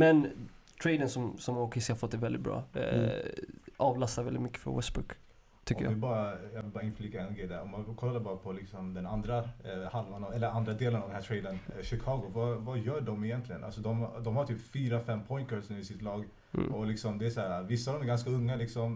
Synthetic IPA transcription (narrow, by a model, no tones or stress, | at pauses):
mɛn | t̪ʰɾɛjd̪ənsɔmsɔmɔkʰɪshaɾfɔt̪̚ːd̪ɛvɛld̪ɪt̪̚bɾɑ̰ː | ʔɑːvlast̪aɾvɛlɪt̪mʏkːə̥fɔ̰wɛ̰sbʉ̰k | t̪ʰʏkɔːəɾj̰a̰vɪbɑːɾajɑvɪlbɑːɾaɪnfliːkaɛnɡɾɛjd̪ɛ̰ɾɔmakʰɔlːabɑːɾapʰɔlɪksɔmd̪ɛnand̪ɾahalvanavɛlːəɾand̪ɾad̪eːlənaɑvd̪ɛnhæːʈ̪ʰɾejd̪ənʃɪkʰɑːɡʊvɑvɑjœːɖɔmɪjɛnt̪lɪɡənʔa̰sɔd̪ɔmd̪ɔmhaʈ̪ʰyːpfyːɾafɛmːpʰɔjnkœsnʉːɪsɪt̪lɑːɡ | ɔlɪksɔmd̪ɛæʂæːɾavɪsːavd̪ɔmæɾɡanskaɵŋːalɪksɔm